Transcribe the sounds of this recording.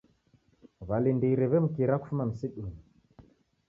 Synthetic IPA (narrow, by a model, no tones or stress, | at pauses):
βalindiɾɛβɛm̩kiɾaku̥fumam̩siɗuni